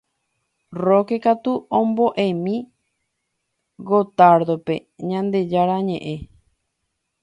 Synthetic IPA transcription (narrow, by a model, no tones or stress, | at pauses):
rokekat̪uõmboʔẽmĩ | ɡot̪aɾd̪ope̞̰ɲãnd̪e̞d͡ʒaɾaɲẽʔẽ